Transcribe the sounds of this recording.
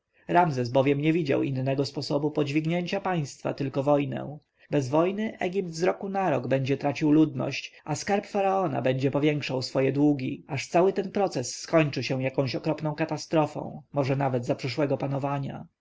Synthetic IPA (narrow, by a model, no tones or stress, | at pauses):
ɾamzɛsbɔvʲjɛmɲɛvʲid͡ʑa̰winːɛɡɔspɔsɔbupɔd͡ʑvʲiɡɲeɲt͡ɕapaj̃st̪fa̰t̪ɘlkɔvɔjnɛ̰w̃ | bɛzvɔjnɘʔɛɡʲip̚t̪zɾɔkunaɾɔɡbɛɲd͡ʑɛt̪ɾat͡ɕiwlud̪nɔ̰ɕt͡ɕaskaɾpfaɾaɔna̰bɛɲd͡ʑɛpɔvʲjɛŋkʂawsfɔjɛd̪wuɡʲiaʂt̪sawɘt̪ɛnpɾɔt̪sɛsːkɔɲt͡ʂɘɕɛw̃jakɔ̃w̃ɕɔkɾɔpnɔ̃w̃kat̪ast̪ɾɔfɔ̰̃w̃mɔʐɛnavɛd̪zapʂɘʂwɛɡɔpanɔvaɲa̰